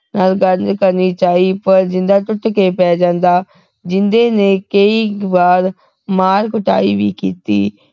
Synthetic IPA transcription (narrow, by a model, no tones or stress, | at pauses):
naːlɡəɾd͡ʒkəɾniːt͡ʃaːiːpəɾd͡ʒɪnd̪aːʈʊʈkepɛːd͡ʒãːnd̪aː | d͡ʒɪnd̪eːneːkəiːbaːɾ | maːɾkʊʈa̰ːiːʋḭːkḭːt̪iː